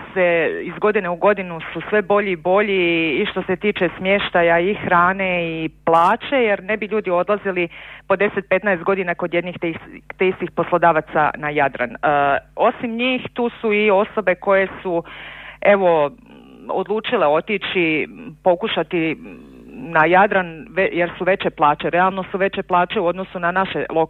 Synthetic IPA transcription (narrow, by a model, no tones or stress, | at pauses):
seizɡo̞d̪ine̞uɡo̞d̪inususʋebo̞ʎibo̞ʎiːʃt̪o̞se̞t̪iːt͡ʃe̞smjeʃt̪ajaixɾaːne̞iplˠaːt͡ʃe̞je̞ɾne̞biʎuːd̪io̞d̪lˠazilipo̞d̪e̞set̪̚pe̞t̪naest̪̚ɡo̞d̪inako̞d̪jed̪niːxt̪eist̪ixpo̞slˠo̞d̪aːʋat̪sa̰najad̪ɾa̰no̞simɲiːxt̪uːsuio̞so̞be̞ko̞je̞su | e̞ʋo̞ | o̰d̪lˠuːt͡ʃileo̞t̪it͡ʃipo̞kuʃat̪i | najad̪ɾanʋejeɾsuʋe̞t͡ɕe̞plˠaːt͡ʃeɾealˠno̞suʋe̞t͡ɕe̞plˠaːt͡ʃe̞uo̞d̪nosunanaʃe̞lo̞k